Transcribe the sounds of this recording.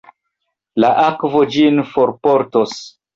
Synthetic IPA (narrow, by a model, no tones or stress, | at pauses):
laʔakvo̞d͡ʒinfoɾpoɾtos